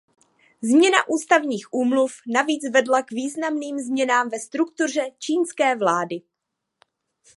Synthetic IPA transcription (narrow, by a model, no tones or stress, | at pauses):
zmɲɛna̰ʔuːst̪avɲiːxʔuːmlufnaviːt͡svɛdlakviːznamniːmzmɲɛnaːmvɛst̪ɾuk̚t̪ur̝ɛt͡ʃiːnskɛːvlaːdɪ